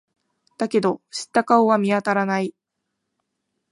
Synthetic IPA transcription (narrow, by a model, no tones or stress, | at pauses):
d̪̥ake̞d̪o̞ɕi̥t̪ːakaoβamʲiat̪aɾanai